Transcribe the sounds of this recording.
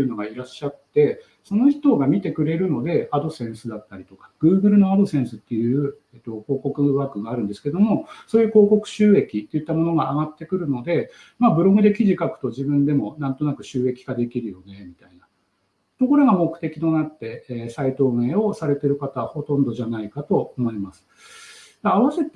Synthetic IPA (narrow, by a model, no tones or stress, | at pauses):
ɯ̟no̞ɡaiɾaɕːat̪e̞ | so̞no̞çi̥t̪o̞ɡamʲit̪e̞kɯ̟ɾe̞ɾɯ̟no̞d̪e̞ad̪o̞sẽ̞ɰ̃sɨd̪at̪ːaɾʲit̪o̞kḁɡ̥ɯ̟ːɡɯ̟ɾɯ̟no̞ad̪o̞sẽ̞ɰ̃sɨt̪ːejɯ̟ːet̪ːo̞ko̞ːko̞kɯ̟βaːkɯ̟ŋɡaɾɯ̟̃nd̪e̞sɨ̥ke̞d̪o̞mo̞so̞ːjɯ̟ːko̞ːkokɯ̟̥ɕɨːe̞kʲit̪ːejɯ̟t̪ːamo̞no̞ɡaːɡat̪ːe̞kɯ̟ɾɯ̟no̞d̪e̞ | maːbɯ̟ɾo̞ɡɯ̟d̪e̞kʲiʑikakɯ̟̥t̪o̞ʑibɯ̟̃nd̪e̞mo̞nãnt̪o̞nakɯ̟ɕɨːe̞kʲi̥ɡad̪e̞kʲiɾɯ̟jo̞ne̞mʲit̪aina | t̪o̞ko̞ɾo̞ɡamo̞kt̪e̞kʲi̥t̪o̞nat̪ːe̞sait̪o̞ːme̞ːo̞saɾe̞t̪e̞ɾɯ̟kat̪aβaho̞t̪õ̞nd̪o̞ʑanaikat̪o̞omo̞imasɨ̥ | d̪̥aːβaset̪ː